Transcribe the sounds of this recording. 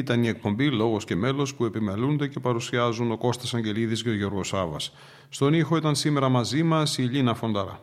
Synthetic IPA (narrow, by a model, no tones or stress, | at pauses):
it̪ɐnie̞k̚po̞mbilo̞ɣo̞sce̞me̞lo̞spue̞pimelund̪e̞ce̞pɐɾusiɐzuno̞ko̞st̪ɐsɐɲɟe̞liðizʝeoʝo̞ɾɣo̞sɐvɐs | st̪o̞nixo̞it̪ɐnsime̞ɾɐmɐzimɐsiʎinɐfo̞nd̪ɐɾɐ̰